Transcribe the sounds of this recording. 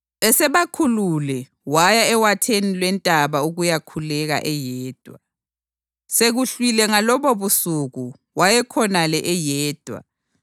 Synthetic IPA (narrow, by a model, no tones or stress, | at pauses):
ɛsɛβakʰululɛ | wajaɛwatʰenilwɛntʼaβauɣujakʰulɛɣa̰ʔɛjɛːd̥ʱwa̰ | seɣuɬwilɛŋalɔβɔβusuɣu | wajɛkʰɔnalɛʔɛjɛːd̥ʱwa̰